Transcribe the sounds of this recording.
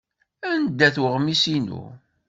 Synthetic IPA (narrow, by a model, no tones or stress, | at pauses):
ænd̪ːæθwəʁmisinṵ